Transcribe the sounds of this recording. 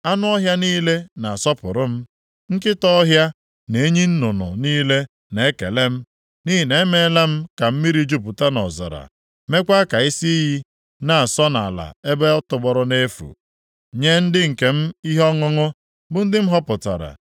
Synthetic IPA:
a˦nʊ˦ɔ˦ɦja˦niː˦le˦na˨sɔ˦pʊ̰˨ɾʊ˦m̩˦ | ŋ̩˦kɪ˦tɔ˦ɔ˦ɦja˦ | ne˨˦ɲi˦n̩˦nʊ˨nʊ̰˨niː˦le˦ | ne˨˦kḛ˨le˦m̩˦ | ni˦ɦi˨ne˨˦me˦la˦m̩˦ka˨m̩˦mi˦ɾi˦d͡ʒu˦˨pʊ˨ta˦nɔ̰˨zɔ̰˨ɾa̰˨ | me˦kʷa˦ka˨i˦si˦i˦ɦi˦ | na˨a˨sɔ˦na˨la̰˨e˦be˦ɔ˦tʊ˨ɡ͡bɔ˨ɾʊ˦ne˦fṵ˨ | ɲe˦n̩˦dɪ˦ŋ̩˨ke˨m̩˦i˦ɦɔ˦ŋʊ˦ŋʊ˦ | bʊ˨n̩˦dɪ˦m̩˦ɦɔ˦pʊ˨ta̰˨ɾa̰˨

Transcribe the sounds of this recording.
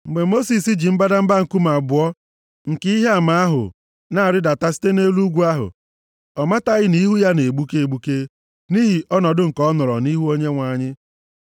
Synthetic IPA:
ŋ͡m̩˨ɡ͡be˨mo˦si˨si˦d͡ʒi˨m̩˦ba˦da˦m̩˦ba˦ŋ̩˨ku˦ma˨bʊ˨˦ɔ˦ | ŋ̩˨ki˦ɦe˦a˦˨ma˨a˦ɦʊ̰˨ | na˨a˨ɾɪ˦da˨ta˦si̥˦te˦ne˦lu˦ɡʷu˦a˦ɦʊ̰˨ | ɔ˨ma˦ta˦ɣɪ˦ni˦ɦu˦ja˦ne˨ɡ͡bu˦ke˦e˨ɡ͡bu˦ke˦ | ni˦ɦi˨ʔɔ˦nɔ˨dʊ˦ŋ̩˨kɔ˦nɔ˨ɾɔ̰˨ni˦ɦu˦o˦ɲe˦ŋʷa˨ɲɪ˦

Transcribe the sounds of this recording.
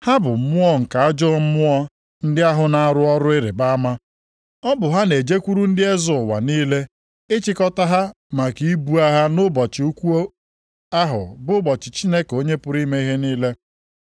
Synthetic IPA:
ha˦bʊ˨m̩˦mʊ˦ɔ˦ŋ̩˨ka˨a˦d͡ʒɔ˦m̩˦mʊ˦ɔ˦ | n̩˦dɪ˦a˦ɦʊ˨na˦a˦ɾʊ˦ɔ˦ɾʊ˦e˦ɾe˨ba˦a˦ma˦ | ɔ˦bʊ˨ɦa˦ne˨d͡ʒe˦kʷu˦ɾu˦n̩˦dɪ˦e˦zʊ˨wa̰˨niː˦le˦ | ɪ˦t͡ʃɪ˦kɔ˦ta˦ɦa˦ | ma˨ki˨˦i˦bu˦a˦ɦa˦nʊ˦bɔ˨t͡ʃɪ˨u˦kʷu˦o˦ | a˦ɦʊ̰˨bʊ˦bɔ˨t͡ʃɪ˨t͡ʃi˦ne˦ko˦ɲe˦pʊ˦ɾi˦me˦i˦ɦe˦niː˦le˦

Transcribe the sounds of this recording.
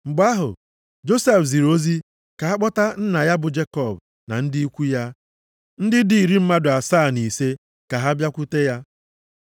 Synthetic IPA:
ŋ͡m̩˨ɡ͡ba˦ɦʊ̰˨ | d͡ʒo˦se˦fzi˨ɾo˦zi˦ | ka˨a˦k͡pɔ˦ta˦n̩˦na˨ja˦bʊ˨d͡ʒe˦kɔ˨b | na̰˨n̩˦dɪ˦i˦kʷu˦ja˦ | n̩˦dɪ˦di˨i˨ɾi˦m̩˦ma˦dʊ˨a˨saː˦˨ni˨se˦ | ka˨ɦa˦bja˦kʷu˦te˦ja˦

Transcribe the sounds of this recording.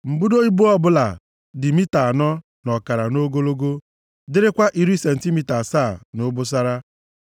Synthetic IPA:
m̩˨bʊ˦do˦ɲi˦bu˦ɔ˦bʊ˦la˨ | dɪ˨mi˦ta˨a˨nɔ˦ | nɔ˨ka˨ɾa˨no˦ɡo˦lo˦ɡo˦ | dɪ˦ɾɪ˦kʷa˦ʔi˨ɾi˦se˨n̩˨ti˦mi˨ta˨saː˦˨nʊ˦bʊ˦s̬a˦ɾa˦

